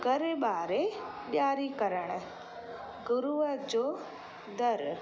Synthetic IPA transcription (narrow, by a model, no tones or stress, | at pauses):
ɡɐɾeɓaːɾe | ɓjaːɾikɐɾəɽ̃̆ | ɡʊɾuəd͡ʑoː | d̪ɐɾ